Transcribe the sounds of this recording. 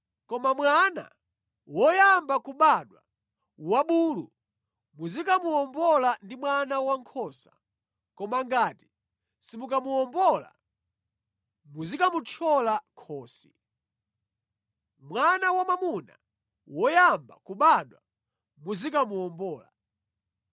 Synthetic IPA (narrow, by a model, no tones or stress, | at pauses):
kɔmamwana̰ | wɔjambakuɓaɗwa̰ | waɓuːlṵ | muzikamuɔmbɔlandimwanawaŋkʰɔːsa | kɔmaŋɡaːti̥ | simukamuɔmbɔla̰ | muzikamut͡ʃʰɔlakʰɔːsḭ | mwanawamamuna̰ | wɔjamba̰kuɓaɗwa | muzikamuɔmbɔːla̰